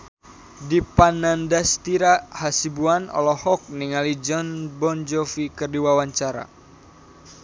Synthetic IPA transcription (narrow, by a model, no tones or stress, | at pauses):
dipanandast̪iɾahasibuanɔ̰lɔhɔk̚niŋalid͡ʒɔnbɔnd͡ʒɔfikərdiwawaɲt͡ʃaɾa̰